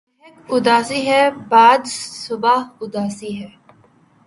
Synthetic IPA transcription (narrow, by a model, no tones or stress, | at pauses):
ɦekʊd̪aːsiɦɛːbaːd̪sʊbaːɦʊd̪aːsiɦɛː